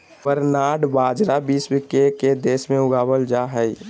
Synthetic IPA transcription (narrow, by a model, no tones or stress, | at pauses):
pəɾnaːɽbaːd͡ʒɾabiːsbikeked̪eːsmẽʊɡaːbəld͡ʒaɦəi